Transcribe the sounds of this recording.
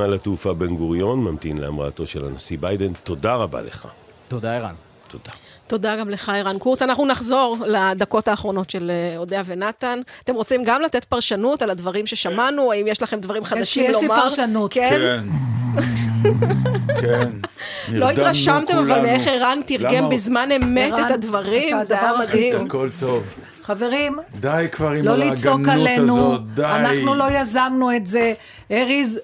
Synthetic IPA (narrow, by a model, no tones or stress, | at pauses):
alatufabenɡuʁjo̞nmamt̪ḭnlea̰mʁa̰ːto̞ʃela̰nasibajd̪ent̪o̞daʁaba̰lḛχa̰ | t̪od̪aeʁa̰n | t̪ʰod̥̪a | t̪o̞d̪aɡamle̞χaeʁankuʁt͡sanaχnunaχzo̞ʁlad̪ako̞taːχʁo̞no̞tʃe̞lo̞d̪eave̞nat̪anat̪e̞mʁo̞t͡simɡamlat̪et̪paʁʃanutalad̪vaʁimʃeʃamanuaimjeʃlaχemd̪vaʁimχad̪aʃimlomaʁanuken | ken | llo̞ittʁaʃamt̪emavalmeeχeʁant̪iʁɡembizmanemetet̪ad̪vaʁimzaamad̪hiamkolt̪ov | χaveʁimd̪ajkvaʁilolit͡sokalenud̪aanaχnulo̞jazamnuetze | eʁiz